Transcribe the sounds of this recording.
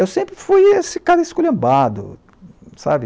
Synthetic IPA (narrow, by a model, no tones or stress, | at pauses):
ewsẽmpɾɪfujesɪkaɾɐiskulɐ̃mbad̪ʊ̰ | sa̰bɪ